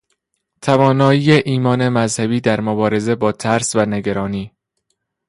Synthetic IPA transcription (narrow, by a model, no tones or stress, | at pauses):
t̪ʰævɒːnɒːjiːjeʔiːmɒːne̞mæzhæbiːd̪æɾmobɒːɾe̞ze̞bɒːt̪ʰæɾsvæneɡæɾɒːniː